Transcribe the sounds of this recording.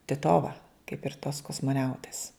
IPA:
tʲɪˈtoːʋɐ kɐɪp ɪr toːs koːsmoːˈnʲɛʊtʲeːs

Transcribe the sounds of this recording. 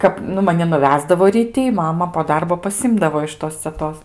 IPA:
ˈkɐp nʊ mɐˈnʲɪ nʊˈʋʲæːzdɐʋoː rʲiːˈtʲɪ ɪ ˈmɑːmɐ poː ˈdɐrboː pɐˈsʲɪmdɐʋoː ɪʃ ˈtoːs t͡sʲɛˈtoːs

